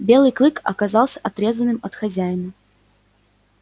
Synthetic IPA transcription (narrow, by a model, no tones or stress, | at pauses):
bʲe̞lˠɨjklˠɨkɐ̰kazɑlˠsʲə̥ʔɐt̪ɾʲe̞zənːɨmɐt̪xɐzʲæjɪnə